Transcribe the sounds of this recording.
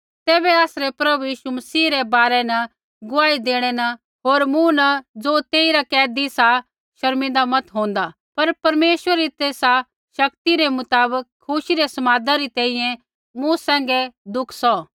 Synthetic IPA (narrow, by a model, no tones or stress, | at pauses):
t̪ɛːbɛaːsɾɛpɾɐbujiːʃumɐsiːɾɛbaːɾɛnɐ | ɡʊaːid̪eːɽ̃ɛnɐ | ɦoːɾmũnɐd͡zoːt̪eːiɾakɛːd̪isa | ʃɐɾmɪ̃nd̪amɐt̪ɦõːnd̪a | pɐɾpɐɾmeːʃwəɾit̪eːsa | ʃɐkt̪iɾemʊt̪aːbəkʰːʊʃiɾesɐmaːd̪aɾit̪ɛ̃ːĩjɛ̃ | mũsɛ̃ːŋ̆ɡɛd̪ʊkʰsɔ